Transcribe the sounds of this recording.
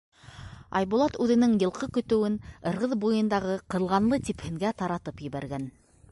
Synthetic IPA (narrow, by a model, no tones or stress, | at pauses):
ɑ̰jβulˠɑt̪ʉðɘ̆nɘŋjɤ̆lˠqʰɤkɵ̆t̪ɘ̆wɘnɤ̆ɾʁɤðbujɤ̆nd̪ɑʁɤqɤ̆lˠʁɑnlˠɤt̪iphɘ̆ŋɡæt̪ɑɾɑt̪ɤpjɘ̆βæɾɡæn